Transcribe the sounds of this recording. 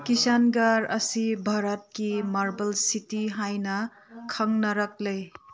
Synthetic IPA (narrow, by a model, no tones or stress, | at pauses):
kisanɡaɾɐsibʱaɾət̚kimaɾbɐlsitiɦajnɐ | kʰɐŋnɐɾɐk̚lɐj